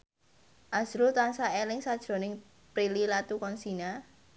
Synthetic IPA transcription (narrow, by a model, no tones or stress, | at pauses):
ʔazɾut̪ansaelɪŋsad̥ʒ̥ɾo̤nɪŋ | pɾililat̪ukɔnsina